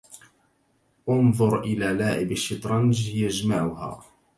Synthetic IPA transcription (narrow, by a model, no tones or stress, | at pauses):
ʔɑnðˤʊɾˤʔɪlaːlaːʕɪbaʃːɪt̪ˤɾˤɑnd͡ʒhɪjaʔd͡ʒmaːʕʊha̰ː